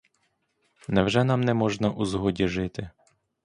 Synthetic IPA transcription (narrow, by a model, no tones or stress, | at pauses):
nɛwʒɛnɑmnɛmɔʒnɐʔuzɦɔdʲiʒɪt̪ɪ